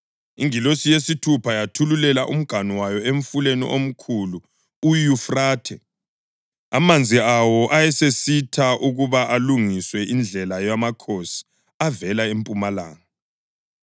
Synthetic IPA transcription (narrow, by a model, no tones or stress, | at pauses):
iŋilosijesitʰupʰajatʰululɛlaʔum̩ɡ̥ʱaniwajɔeɱfulenḭʔom̩kʰulu | ujufraːtʰɛ | a̰mand͡zʱiawɔʔajɛsesitʰaʔuɣuβaʔaluŋiswɛʔind͡ɮʱɛlajamakʰosi̥ | avɛlaempʼumala̰ːŋa